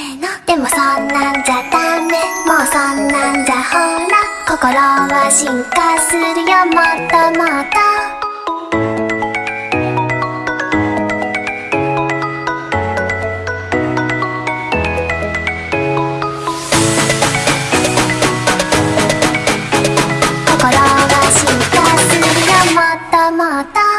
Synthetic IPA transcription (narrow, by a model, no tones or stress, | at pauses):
nod̪̥e̞mosonːãd͡ʑat̪amẽmoːsonːãnd͡ʑahonakokoɾoβaɕiŋkasɨɾɯjomot̪ːomot̪a | kokɔɾaβaɕikasɨɾɯjomat̪ːamat̪a